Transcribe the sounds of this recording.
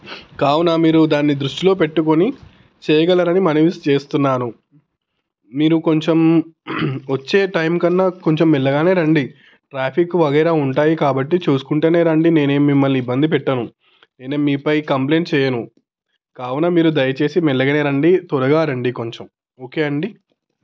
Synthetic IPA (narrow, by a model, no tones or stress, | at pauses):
kaːwunaːmiːɾud̪aːnːid̪ɾuʂʈilo̞ːp̬e̞ʈːuko̞ni | t͡ʃɛːjɐɡɐlɐɾɐnimɐniʋist͡ʃe̞ːst̪unːaːnu | miːɾuko̞ɲt͡ʃem | ʋɐt͡ʃːe̞ːʈɐjmkɐnːako̞ɲt͡ʃemːilːɐɡaːne̞ːɾɐɳɖi | ʈɾaːpʰikuʋɐɡɐjɾaːuɳʈaːjikaːbɐʈːit͡ʃuːsu̥kuɳʈe̞ːne̞ːɾɐɳɖine̞ːne̞ːmːimːɐlːiibːɐnd̪ipɛʈːɐnu | neːneːmiːpɐjkɐmple̞ːɳʈt͡ʃɛːjɐnu | kaːwunɐmiːɾud̪ɐjɐt͡ʃe̞ːsimilːɐɡɐːneːɾɐɳɖit̪ɔɾɐɡaːɾɐɳɖiko̞ɲt͡ʃem | oːke̞ːɐɳɖi